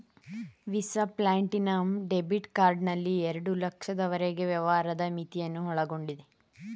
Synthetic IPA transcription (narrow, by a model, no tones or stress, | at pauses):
ʋisɐplaːɳʈinɐːmɖe̞biʈkaːɾɖnɐlːieɾɐɽulɐkʂɐd̪ɐʋɐɾeɡe̞ʋjɐʋaːɾɐd̪ɐmit̪ijɐnːuɦɔɭɐɡo̞ɳɖid̪e